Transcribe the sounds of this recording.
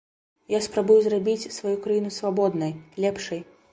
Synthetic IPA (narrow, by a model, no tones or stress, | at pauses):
jaspɾabujuzrabʲit͡sʲsvajukɾajinusvabɔd̪nɐjlʲɛpʂɐj